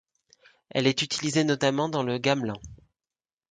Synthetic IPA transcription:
ɛ̰lɛt̪yt̪ʰilizenɔt̪amɑ̃d̪ɑ̃ləɡamlɑ̃

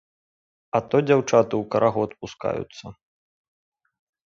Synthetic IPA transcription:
ɐt̪ɔd͡zʲawt͡ʂat̪ɨwkɐɾʔaɣuɐt̪̚puska̰jṵt̪sːɐ

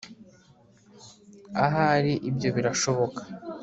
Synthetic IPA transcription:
aɦaɾiʔibjo̞βiɾaʃo̞βo̞kḁ

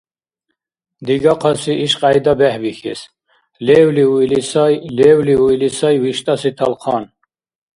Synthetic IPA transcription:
d̪iɡaqʰɑsiʔiʃqʼajd̪abɛhvixḭs | lɛwliuilisajlɛːwliuilisajwiʃt̪ʼasit̪ʰalqʰɑːn

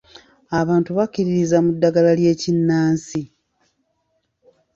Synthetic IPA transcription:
aβaːntuβacːiɾiɾizamudːaɡalalje̞ːcinːaːnsi

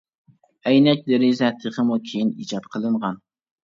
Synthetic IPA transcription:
æjnɛk̚ʲd̪ɪɾɪzæt̪ʰːɨqɨmukʲʰejinḭd͡ʒɑt̪qʰəlˠɨɴʁɑn

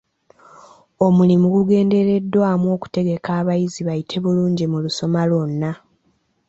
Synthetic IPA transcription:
o̞mulimuɡuɡe̞ːnde̞ɾe̞dːwaːmuo̞ːku̥te̞ɡe̞kaːβajiziβajitʰe̞βuluːɲɟimuluso̞malo̞nːa

